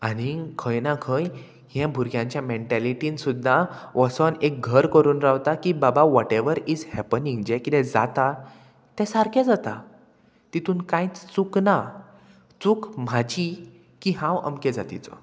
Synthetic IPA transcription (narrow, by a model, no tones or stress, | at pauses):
añikʰəjnakʰəj | hɛ̃bʱuɾɡjãɲt͡ɕjameɳʈɛliʈiːnsud̪ʱːaʋɔsənek̚ɡʱəɾkəɾuːnɾaʋt̪akibabaʋɔʈeʋəɾid͡zhɛpənĩŋɡd͡ʑɛkit̪ɛ̃d͡za̰t̪a | t̪ɛ̃saɾkʰɛ̃d͡zat̪a | t̪it̪uːnkãjt͡st͡sukna | t͡sukm̤ad͡ʑi | kiɦãwə̰mkɛd͡zat̪it͡sɔ̰